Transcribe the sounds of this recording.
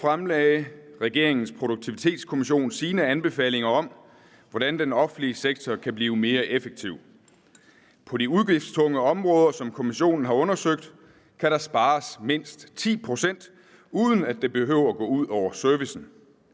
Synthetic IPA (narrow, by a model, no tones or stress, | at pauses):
fʁamlɛɪʁɛɡ̥e̝ɐ̰e̝ŋn̩spʰʁo̝ɾ̥uɡ̥̚t͡sʰiʋit͡sʰe̝̰ːd̥skʰo̝miɕ̬o̝̰ːnsiːnəænb̥e̝fɛ̰ːle̝ŋɐɒ̽m̰ | ʋɒɾ̥ænd̥enɒ̽fn̩liəseɡ̥̚t͡sʰɒkʰæb̥liːʊəme̝ːɐʔefeɡ̥̚t͡sʰiʊ̰ | pʰɒ̽ɾiuð̞ˠɡ̥ʁifd̥st͡sʰɔ̽ŋəɒ̽mʁɔ̽ːð̞ˠɐsɒ̽mkʰo̝miɕo̝̰ːnn̩ɦɑ̈ɔ̽nɐsøɡ̥̚d̥ | kʰæɾ̥ɑ̈sb̥ɑ̈ːsme̝n̰sd̥t͡sʰḭːpʰʁo̝sen̰d̥ | uðˠən̩æd̥e̝b̥e̝ɦøʊ̰ɐɡ̥ɔ̰̽ːuð̞̰ˠɒʊ̰ɐsøɐʋisn̩